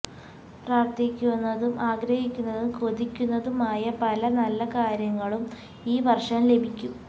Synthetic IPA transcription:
praːrt̪ikʲːunːɐðumʔaːɡɾɐhikʲːunːɐðumkod̪ikʲːunːɐðumaːjɐpɐlɐnɐlːɐkaːɾjɐŋːɐɭum | iːʋɐrʂɐmle̞bʱikʲːum

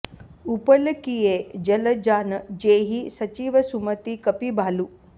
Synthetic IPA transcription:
upɐlɐkijeːd͡ʒɐlɐd͡ʒaːnɐd͡ʒeːɦisɐt͡ʃiːʋɐsumɐt̪ikɐpibʱaːlu

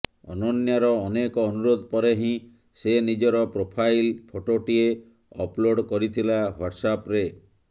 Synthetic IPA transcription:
ɔ̰nɔnjaɾɔːnekɔːnuɾod̪ʱɔpɔɾeɦĩ | senid͡ʒɔɾɔpɾopʰajlpʰoʈoʈie | ɔ̰ploɖkɔɾit̪ʰilaɦwaʈsapɾe

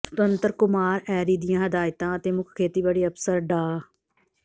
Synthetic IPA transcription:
sə̥t̪ənt̪əɾkʊmaːɾɛːɾiːd̪ɪjãːɦɪd̪aːjt̪ãːət̪eːmʊkʰkʰːeːt̪iːbəɽiːəpsəɾɖaː

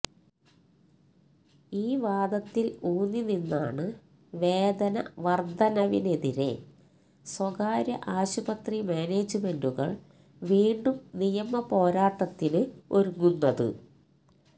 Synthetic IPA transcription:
iːʋaːd̪ɐt̪ːiluːnːininːa̰ːɳɨ | ʋe̞ːd̪ɐnɐ̰ʋɐrd̪ʱɐnɐʋine̞ðiɾe̞̰ | swɐɣaːɾjɐ̰ʔaːɕubɐt̪rimeːne̞ːd͡ʑɨme̞nduɣɐ̰ɭ | ʋiːɳɖumnijɐmɐpo̞ːɾaːʈːɐt̪ːinɨo̞ɾuŋːunːɐðɨ̰

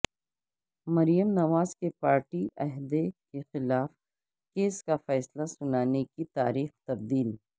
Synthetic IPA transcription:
mɐɾijəmnɐʋaːzkepaːɾʈiʔɐɦd̪ekexɪlaːf | keːskafɛːslasʊnaːnekit̪aːɾiːxt̪ɐb̚d̪iːl

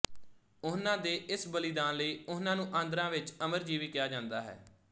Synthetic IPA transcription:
ʊnãːd̪eːʔɪsbəlɪd̪ãːnləiːʊnãːnũːʔãːnd̪əɾãːʋɪt͡ʃəməɾd͡ʒiːʋiːkɪjaːd͡ʒãːnd̪aːɦɛ̰ː

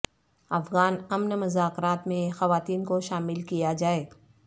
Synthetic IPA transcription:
ɐfɣaːnɐmnmʊzaːkɾaːt̪mẽxɐʋaːt̪iːnkoʃaːmɪlkijad͡ʒaːeː

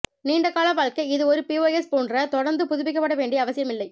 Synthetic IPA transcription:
niːɳɖɐkaːlɐʋaːɻkɐɪðɯɔɾɯpioːɛspoːndrɐt̪ɔɽɐɾnd̪ɯpʊðʊʋɪkːɐpːɐɽɐʋeːɳɖijɐːʋɐsɪjɐmɪlːɐɪ

